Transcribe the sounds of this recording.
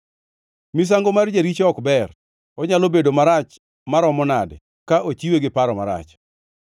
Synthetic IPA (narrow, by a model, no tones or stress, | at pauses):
mis̬aŋɡomard͡ʒaɾit͡ʃɔkbɛr | ɔɲalobedomaɾat͡ʃ | maɾɔmɔnad | kaʔot͡ʃiweɡɪpaɾɔmaɾa̰t͡ʃ